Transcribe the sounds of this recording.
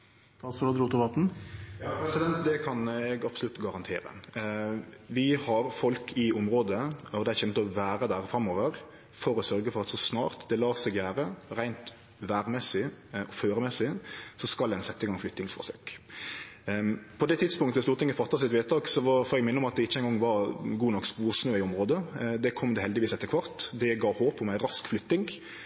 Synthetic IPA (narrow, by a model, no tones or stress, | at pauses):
t̪ɑsɔɾd̪ɾuːt̪ɔʋɑt̪n̩jɑːpʰɾɛsɪd̪ɛnt̪d̪ɛkʰɑnɛɡɑpsɔlʉt̪ɡɑɾɑnt̪ʰḛːɾə̰ | ʋɪhɑɾfɔlkʰɪʊmɾoːd̪əɔd̪ɛæçɛmt̪əɔʋæːɾəd̪æʁfɾɑmoːʋəɾ | fɔɾɔsœɾɡəfɔʁɑt̪sɔsnɑ̰ːʁt̪d̪ɛlɑːsɛɡjæːɾəɾæɪnt̪ | ʋæːɾmɛsɪɔføːɾəmɛsɪsɔskɑldɛnsɛt̪ːəɪɡɑŋflʏt̪ːɪŋsfɔ̰ɾsø̰ːk | pʰɔd̪ɛt̪ʰɪt̪spʊŋkt̪əʋɛst̪uːɾt̪ɪŋəfɑt̪ːɑsɪt̪ʋeːt̪ɑːɡsɔʋɑfɔːɾɛɡmɪnːəɔmɑt̪̚d̪ɛɪt͡ʃːəɛɪnɡɔŋːʋɑɾɡuːnɔkːspuːɾsnøːɪʊmʁoːd̪əd̪ɛkʰɔmd̪ɛhɛld̪ɪʋiːsɛt̪ːəɾkʰʋɑɾt̪d̪ɛɡɑːhoːpɔmæɪɾɑskflʏt̪ːɪŋ